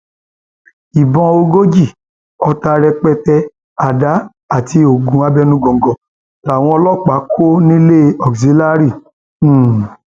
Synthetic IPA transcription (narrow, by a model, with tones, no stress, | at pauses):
i˨bɔ̃˧o˧ɡo˦d͡ʒi˦˨ | ɔ˧ta˧ɾɛ˧k͡pɛ˧tɛ˧ | a˨da˨˦ | a˦˨ti˧o˨ɡũ˨˦a˧bɛ˦nũ˦ɡɔ̃˨ŋ˨ɡɔ̃˨ | la˨w̃ɔ̃˧ɔ˧lɔ˦˨k͡pa˨˦kʰo˦nĩ˦le˦ɔ˨ksi˨˦la˦ɾi˦˨˦